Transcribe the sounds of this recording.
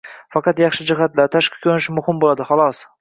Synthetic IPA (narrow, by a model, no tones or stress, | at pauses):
fɑqʰɑt̪jɑχʃɪd͡ʒɪɦat̪laɾt̪ʰaʃqʰɪ̥kʲʰonɪʃɪmʊhɪmbolad̪ɪχɒlˠɒs